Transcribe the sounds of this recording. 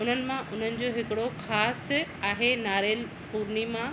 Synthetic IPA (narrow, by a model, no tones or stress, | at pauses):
ʊn̤ənɪ̆mãʔʊn̤ənɪ̆d͡ʑoːɦɪkɪɽoxaːsaːɦenaːɾel | puːɾnimã